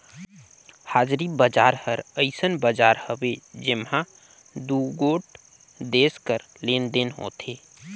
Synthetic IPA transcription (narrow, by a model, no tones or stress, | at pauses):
haːd͡ʒɾibəd͡ʒaːɾhəɾəɪsənbəd͡ʒaːɾhəwed͡ʒɪmã | d̪uːɡoːʈ̚ | d̪eːskəɾ | leːnd̪enɦo̰ːt̪ʰeː